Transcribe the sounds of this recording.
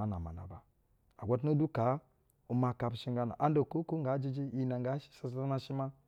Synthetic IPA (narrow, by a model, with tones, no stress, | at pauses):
a˨˦na̰˨ma̰˨na̰˨ba˨ | a˨ɡʷa˨˦t̬no˦du˦ka˨˦ | u˨ma˨ka˨bu˨ʃi˦ŋ˦ɡa˦na̰˨ʔa˦n˦do˨ku˦ku˦ŋɡa˨˦d͡ʒi˦d͡ʒi˦i˨na˨ŋɡa˨˦ʃi̥˦sa˦sa˨˦za˦na˦ʃi˦ma˦